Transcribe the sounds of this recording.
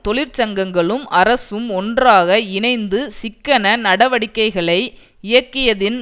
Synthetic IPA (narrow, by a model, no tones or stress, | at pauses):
t̪ɔɭɪɾt͡ʃɐŋɡɐŋɡɐɭɯmɐɾɐsɯmɔndraːɣɐɪnɐɪnd̪ɯsɪkːɐnɐnɐɽɐʋɐɽɪkːɐɪɣɐɭɐɪ | ɪjɐkːɪjɐðɪn